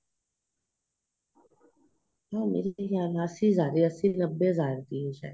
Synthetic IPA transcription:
aːmḛːɾiaːnaːsizaːɾiəsinəbːezaːɾt̪iːeʃa̰ː

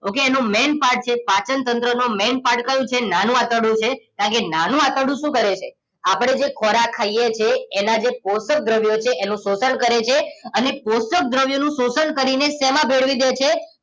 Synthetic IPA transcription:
okeːnũmenpaɾʈ̚t͡ʃʰepat͡ʃənt̪ənt̪ɾənomenpaɾʈkəjũt͡ʃʰenanũat̪əɽũt͡ʃʰekãkenanũat̪əɽũʃũkəɾet͡ʃʰḛ | apəɽ̃ed͡ʒekʰɔɾakʰaijet͡ʃʰeːnad͡ʒeposək̚d̪ɾəʋjot͡ʃʰeʔenũsosəɳkəɾet͡ʃʰeəneposək̚d̪ɾəʋjonũsosəɳkəɾinesɛmãbʱeɽʋid̪et͡ʃʰe

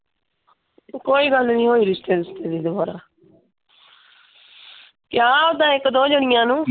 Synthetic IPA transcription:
koːiːɡəlnĩːɦoːiːɾɪst̪eːd̪ɪst̪eːd̪iːd̪ʊbaːɾaː | kɪjaːʊd̪ãːɪkd̪oːd͡ʒʊɽɪjãːnũː

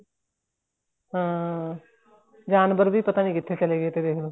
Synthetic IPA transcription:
ɦãː | d͡ʒaːnbəɾbʱiːpət̪aːnĩːkɪt̪ʰːet͡ʃəleːɡəeːt̪eːd̪eːkʰloː

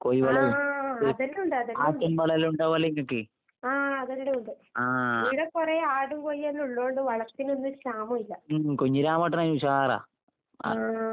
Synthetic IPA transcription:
koːjiʋɐɭɐlðɐnːuɳɖɨɐðɐaːtːɐmʋɐɭɐluɳɖaːʋɐliŋːɐkːɨ | aːɐðɐnɽeuɳɖɨ | aːiɽepurɐjaːɽumkojiɐlːuɭːoːɳɖɨʋɐɭɐrt̪ːinonːɨɕaːmɐmilːɐkoɲːiɾaːmɐːʈːɐnaːɲuuɕara̰ː

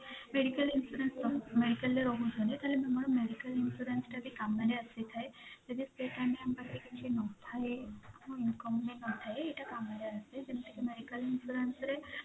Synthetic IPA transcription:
meɖikɐlinsuɾensɔmeɖikəlːeɾɔɦũd͡ʒɔnet̪aɦlememɔɾɔmeɖikəlinsuɾensʈabikamɡaɾeaset̪ʰaed͡ʒəd̪ispeʈameambat̪ekit͡ʃʰenɔt̪ʰaeamoinkɔmmenɔt̪ʰaeeʈakamaɾeased͡ʒenaʈikemeɖikəlinsuɾensɾe

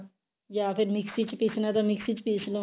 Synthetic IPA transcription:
jaːpʰɪɾmɪksit͡ʃpisnat̪amɪksit͡ʃpislo

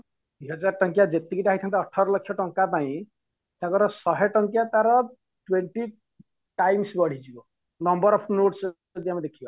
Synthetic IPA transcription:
d̪wiɦʌd͡zarʈʌŋkjad͡zet̪iɡiʈaɦit̪ʰant̪aːʈʰːʌɾʌlʌkʰjʌʈʌŋkapaĩ | t̪jãkoɾʌsʌɦʌjʈʌŋkjat̪aɾʌ | ʈweɳʈi | ʈajmsbʌɽ̤id͡ʒio | nʌmbʌɾʌpʰnoʈs | d̪jamad̪ekʰijo

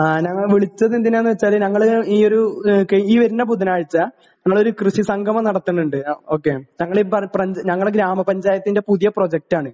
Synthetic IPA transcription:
anɐŋːɐɭʋiɭit͡ɕːɐðend̪inːeenːɨʋet͡ɕːaːlnɐŋːɐɭiːo̞ɾukːeiːʋɐɾinːɐbud̪ʱːɐnaːɻit͡ɕːɐ | ɲɐŋːɐɭo̞ɾukrɨɕisɐŋɡʱɐmɐnɐɽɐt̪ːunːuɳɖɨoːkːeɲɐŋːɐɭepɐprɐɲɲɐŋːɐɭɡɾaːmɐpɐɲd͡ʑaːjɐt̪ːinde̞puðijɐpro̞ːd͡ʑek̚ʈaːɳɨ

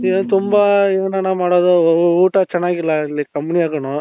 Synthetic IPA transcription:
eːnt̪umbɐeːnɐnamaːɽoːd̪uuːʈɐt͡ʃɛnːaːɡilːɐilːikɐmːuniaːkɐɳo

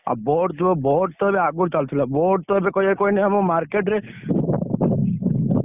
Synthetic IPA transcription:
a̰boɖt̪uɔbɔɖ̚t̪ɔebeaɡuɾt͡ʃalt̪ʰilaboɖt̪ɔebekɔjekoineamomaɾkeʈɾe

